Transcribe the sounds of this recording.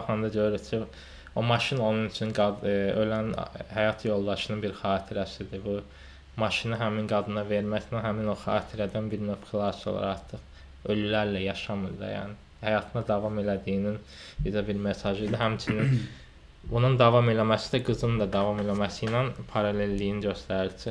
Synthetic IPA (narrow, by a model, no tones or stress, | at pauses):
χɑnd̪ɑɟøjyɾyɾcʰi | o̞mɑʃino̞nunyt͡ʃʰynɡɑø̞lænhæjɑt̪ʰjo̞lˠd̪ɑʃɯnɯnbiɾχɑːt̪ʰiɾæsid̪ibu | mɑʃiniɦæminɡɑd̪ɯnɑve̞ɾmæsnænɦæmino̞xɑ̰ːt̪ʰiɾæd̪ænbiɾnøfklˠɑso̰lˠɑ̰ɾɑɾt̪ʰɯχ | ølylæɾlæjɑʃɑmɯɾd̪ɑ̰jæ̰ːni | hæjɑt̪ʰɯnɑd̪ɑvɑme̞læd̪ijinin | bizæbiɾme̞sɑʒɯjd̪ɯɦæmt͡ʃʰynin | bunund̪ɑvɑme̞læmæsid̪æɡɯzɯnd̪ɑd̪ɑvɑme̞læmæsijnænpʰɑɾɑle̞lːijinɟøst̪æɾilsi